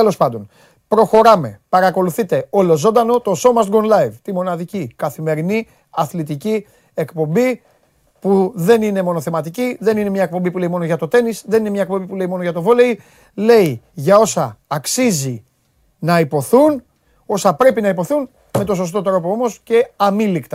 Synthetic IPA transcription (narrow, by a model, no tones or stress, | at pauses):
elo̞spɐnd̪o̞n | pɾo̞xo̞ɾɐme̞pɐɾɐko̞luθit̪e̞o̞lo̞zo̞nd̪ɐno̞t̪o̞so̞mɐsɡonlɐjvt̪imo̞nɐðicikɐθime̞ɾini | ɐθlit̪ici | e̞kpo̞mbi | puðe̞nine̞mo̞noθe̞mɐt̪iciðe̞nine̞mɲɐe̞k̚po̞mbipule̞imo̞no̞ʝɐt̪o̞t̪e̞nisðenine̞mɲɐek̚po̞bipule̞imo̞no̞ʝɐt̪o̞vo̞lei | le̞iʝɐo̞sɐːksizi | nɐipo̞θun | o̞sɐpɾe̞pinɐipo̞θun | me̞t̪o̞so̞st̪o̞t̪ɾo̞poo̞mo̞sce̞ɐmilikt̪ɐ